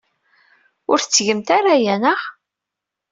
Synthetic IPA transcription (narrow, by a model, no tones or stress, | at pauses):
ʊɾθət͡sːʝəmt̪aɾajænəʁ